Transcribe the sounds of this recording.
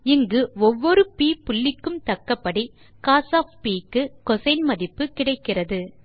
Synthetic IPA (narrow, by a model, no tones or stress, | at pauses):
ɪŋɡɯɔʋːɔɾɯpiːpʊɭːɪkːɯmt̪ɐkːɐpːɐɽi | kaːsaːfpiːkːɯkɔsɐɪnmɐðɪpːɯkɪɽɐɪkːɪrɐðɯ